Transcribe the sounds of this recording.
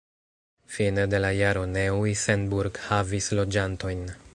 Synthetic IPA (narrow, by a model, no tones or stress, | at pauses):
finede̞lajaɾo̞newisendbuɾɡhavislo̞d͡ʒanto̞jn